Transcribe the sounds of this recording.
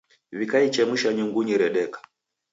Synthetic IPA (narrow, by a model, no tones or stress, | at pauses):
βikait͡ʃɛmuʃaɲuŋɡuɲiɾɛɗɛkḁ